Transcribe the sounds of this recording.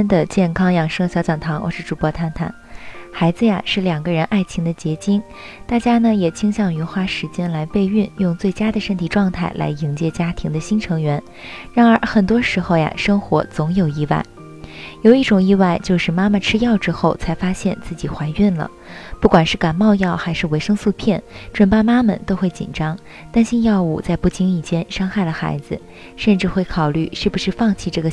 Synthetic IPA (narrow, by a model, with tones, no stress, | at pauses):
nd̪ə˨t͡ɕjɛ˥˩nkʰɑ˥ŋjɑ˨˩ŋʂɤ˥ɕjɑ˧˥t͡sɑ˨˩ŋt̪ʰɑ˧˥ŋwɔ̰˧˥˩ʂɻ̩˥˩ʈ͡ʂu˨˩pwɔ˥˧t̪ʰa˥nt̪ʰa̰˨˩˦nxa˧˥ɪd͡zɹ̩˧ja̰˨˩ʂɻ̩˥˩ljɑ˨˩ŋɡə˦ɻə˧˥nʔa˥˩ɪt͡ɕʰi˧˥ŋd̪ə˧t͡ɕjɛ˧˥t͡ɕi˥n | t̪a˥˩t͡ɕja˥nə˨jɛ˨˩t͡ɕʰi˥ŋɕjɑ˥˩ŋy˧˥xwa˥˩ʂɻ̩˧˥t͡ɕjɛ˥nla˧˥ɪpe˥˧ɪy˥˧njʊ˥˧ŋt͡swe˥˩ɪt͡ɕja˥d̪ə˨ʂə˥nt̪ʰi˨˩ʈ͡ʂwɑ˥˧ŋt̪ʰa˥˩ɪlʔa̰˧˥ɪi˧˥ŋt͡ɕjɛ˥˩t͡ɕja˥t̪ʰi˧˥ŋd̪ə˧ɕi˥nʈ͡ʂʰɤ˧˥ŋɥɛ˧˥n | ɻa˧˥nə˞˧˥xə˨˩nt̪wɔ˥ʂɻ̩˧˥xo˥˧ʊja̰˩ʂɤ˥ŋxwɔ̰˧˥t͡sʊ˧˥ŋjo˨˩ʊi˥˧wa̰˥˩ɪ | jo˨˩ʊi˥˩ʈ͡ʂʊ˨˩ŋi˥˧wa˥˧ɪt͡ɕjo˥˧ʊʂɻ̩˥˩ma˥ma˨ʈ͡ʂʰɻ̩˥jɑ˥˩ʊʈ͡ʂɻ̩˥xo˥˩ʊt͡sʰa˧˥ɪfa˥ɕjɛ˥˧nt͡sɹ̩˥˩t͡ɕi˨˩xwa˧˥ɪy˥˩nlə̰˩ | pu˥˩kwa˨˩nʂɻ̩˥˩ka˨˩nmɑ˥˧ʊjɑ˥˩ʊxa˧˥ɪʂɻ̩˥˩we˧˥ɪʂɤ˥ŋsu˥˧pʰjɛ˥˩nʈ͡ʂwə˨˩npa˥˩ma˥mə̰˨˩t̪o˥ʊxwe˥˩ɪt͡ɕḭ˨˩nʈ͡ʂɑ˥ŋ | t̪a˥nɕi˥njɑ˥˧ʊu˥˧˩t͡sa˥˧ɪpu˥˩t͡ɕʰi˧˥ŋi˨˩t͡ɕjɛ˥nʂɑ˥ŋxa˥˩ɪlə˩xa̰˧˥ɪd͡zɹ̩˧ | ʂə˥˧nʈ͡ʂɻ̩˥˧xwe˥˩ɪkʰɑ˨˩ʊly˥˩ʂɻ̩˥˩bu˩ʂɻ̩˥˧fɑ˥˧ŋt͡ɕʰi˥˧ʈ͡ʂɤ˥˩ɡə˩